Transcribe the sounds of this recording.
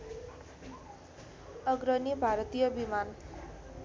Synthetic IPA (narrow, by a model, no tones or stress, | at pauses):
ʌɡɾʌnibʱaɾʌt̪ijʌbiman